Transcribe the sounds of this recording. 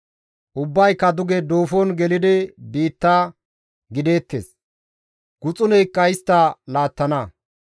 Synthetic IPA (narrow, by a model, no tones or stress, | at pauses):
ʔʊbːɐjkːɐd̪ʊɡɛd̪o̞ːfoːnɡɛlɪd̪ɪbiːt̪ːaː | ɡɪd̪e̞ːt̪ːḛs | ɡ̥ʊt͡sʼʊnɛjkːɐjɪst̪ːɐlaːt̪ːɐnɐ